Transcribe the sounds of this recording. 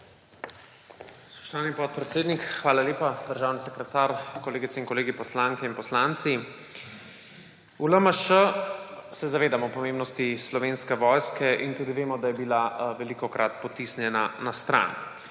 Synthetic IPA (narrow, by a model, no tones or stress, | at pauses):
spɔ̥ʃt̪ɔʋaːnipɔt̪̚pɾɛt̪seːd̪nikxʋaːlaleːpad̪əɾʒaːwnisɛkɾɛt̪aːɾkɔleːɡit̪sɛinkɔleːɡipɔslaŋkɛinpɔslant̪si | uləməʃə | sɛzaʋeːd̪amɔpɔmeːmbnɔst̪islɔʋeːnskɛʋɔjskɛʔint̪uːd̪iʋeːmɔd̪ajɛbilaʋɛlikɔkɾʔat̪pɔt̪isnjɛnanast̪ɾa̰n